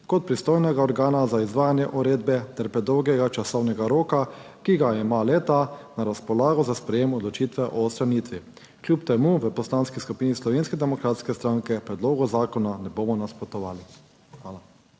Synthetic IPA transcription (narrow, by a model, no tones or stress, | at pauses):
kɔt̪̚pɾist̪oːjnɛɡaɔɾɡaːnazaizʋaːjanjɛʔuɾeːd̪bɛt̪ɛɾpɾɛd̪ɔwɡɛɡat͡ʃasɔwnɛɡaɾoːka | kiɡaɛmaleːt̪anaɾaspɔlaːɡɔzaspɾɛjeːmɔd̪lɔt͡ʃiːt̪ʋɛʔɔst̪ɾaniːt̪ʋi | kljupt̪ɛmuʋəpɔslaːnskiskupiːnislɔʋeːnskɛd̪ɛmɔkɾaːt̪skɛst̪ɾaŋkɛpɾɛd̪loːɡɔzaːkɔnanɛboːmɔnaspɔt̪ɔʋaːli | xʋaːla